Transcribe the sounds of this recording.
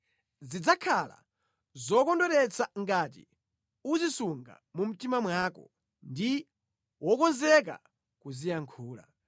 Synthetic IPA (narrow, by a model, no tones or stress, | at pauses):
zid͡zakʰala̰ | zɔkɔndɔɾɛt͡sʰaŋɡaːt̬ḭ | uzisuŋɡa̰mum̩timamwaːkɔ̰ | ndi | wɔkɔnzɛka̰ | kuzijaŋkʰuːla̰